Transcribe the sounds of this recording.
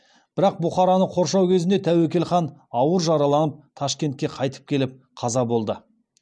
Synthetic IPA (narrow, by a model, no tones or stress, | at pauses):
b̥ɪɾɑq̚bʊχɑɾɑnəqʰo̞ɾʃɑwkʲʰe̞zɪnd̪e̞t̪ʰæwekʲe̞lχɑnɑwəɾʒɑɾɑlˠɑnəp̚t̪ʰɑʃkʲe̞nt̪̚kʲeqʰɑjt̪ə̥p̚kʲʰe̞lɪp̚ | qʰɑzɑbo̞lˠd̪ə